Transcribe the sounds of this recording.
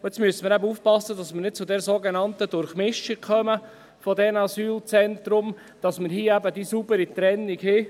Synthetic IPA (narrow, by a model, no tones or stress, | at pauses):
ɛt͡smyəsəməɾæbəufpɑsːədɑsmənɪt̚t͡sʊdɛɾsoɡenɑntədʊɾχmɪʃikkʰœmə | fɔdɛnɑsyːlt͡sɛnt̪ɾʊm | d̥ɑsməɾɦiəæbədisubəɾit̪ɾɛnːiɡhɪ